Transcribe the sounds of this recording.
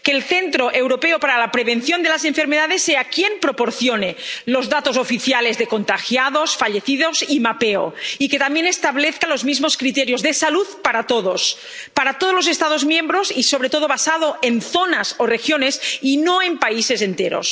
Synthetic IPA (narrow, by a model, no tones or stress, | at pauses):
keːlθent̪ɾoʔe̞wɾopeopaɾalapɾeβenθjond̪e̞las̬e̞ɱfe̞ɾmeðaðesːeakje̞mpɾopoɾθjonelozðat̪o̞zofiθjale̞zðeko̞nt̪axjaðosfaʎeθiðozimapeo̰iket̪amjenest̪aβleθkalozmizmoskɾit̪eɾjozðesaluðpaɾat̪oðos | paɾat̪oð̞olose̞st̪aðozmjembɾosiso̞β̞ɾe̞t̪oð̞oβasað̞oʔenθonasorexjone̞sinoempaise̞zent̪eɾo̰s